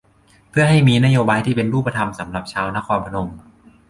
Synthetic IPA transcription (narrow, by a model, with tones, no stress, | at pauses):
pʰɯ˥˩ɐɦa˥˩jmiː˧na˦˥joː˧baː˧jt̪ʰiː˥˩pe˧nɾuː˥˩pːa˧t̪ʰa˧msa˩˦mɾa˨˩p̚t͡ɕʰaː˧wna˦˥˨kʰɔː˧npʰa˧no˧m